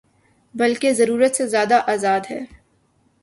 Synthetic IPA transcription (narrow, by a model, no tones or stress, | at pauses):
bɐlkezɐɾuːɾət̪sezjaːd̪aʔaːzaːd̪ɦɛː